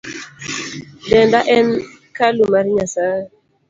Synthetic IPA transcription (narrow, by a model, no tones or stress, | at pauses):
dɛndaʔɛn | kalumaɾɲasa